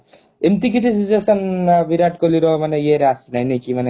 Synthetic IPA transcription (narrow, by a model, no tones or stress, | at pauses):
emt̪ik̬it̪ʰisʰizesɐnbiɾaʈkoliɾɔmanejeɾasinajnekimane